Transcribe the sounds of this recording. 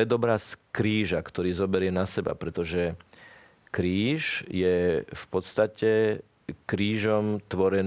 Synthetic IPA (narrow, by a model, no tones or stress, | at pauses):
ɛd̪ɔbɾaskɾiːʒakt̪ɔɾiːzɔbɛɾɪɛnasɛba̰pɾɛt̪ɔʒɛ | kɾiːʃjɛfpɔt̪st̪acɛ | kɾiːʒɔmt̪ʋɔɾɛn